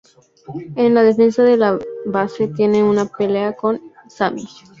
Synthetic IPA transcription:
enlaðe̞fe̞nsaðe̞laβase̞t̪je̞ne̞unape̞le̞ako̞n | samis

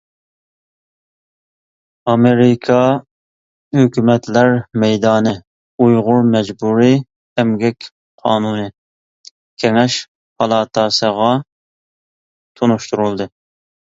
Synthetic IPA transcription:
ɑmeɾɪkʰɑ | høkʲymɛt̪ʰlæɾmɛjd̪ɑːnɨ | ujʁʊɾmɛd͡ʒbuɾi | ɛmɡʲɛkʲ | qʰɑːnunɨ | kʲʰeŋɛʃ | hɑlˠɑːt̪ʰɑːsəʁɑ | t̪ʰonuʃt̪uɾulˠd̪ɨ

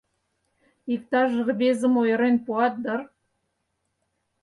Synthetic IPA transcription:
ik̚t̪ɑʒəɣɤ̆βezə̆mojɤ̆ɾenpuɑt̪̚d̪ɤ̆r

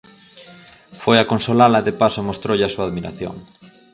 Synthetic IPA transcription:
fojakonsolalaðepasomost̪ɾowʎɪasuaːðmiɾa̰θjo̰ŋ

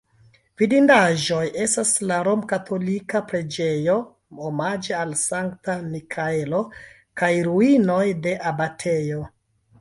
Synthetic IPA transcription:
v̥idindaʒo̞je̞staslaɾo̞mkatʰo̞likapɾe̞d͡ʒe̞jo̞ | omad͡ʒealsaŋktanikʰaelo̞ | kajɾuino̞jde̞ʔabatʰe̞jo

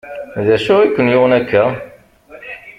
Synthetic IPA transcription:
ðæʃʊʁikʷːənjʊʁənækːæ

